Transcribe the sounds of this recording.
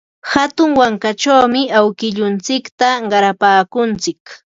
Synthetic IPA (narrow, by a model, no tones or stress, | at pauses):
hat̪ʊŋwaŋkat͡ʃawmɪawkɪʎʊnt͡sɪkt̪aɢɑɾapaːkʊnt͡sɪk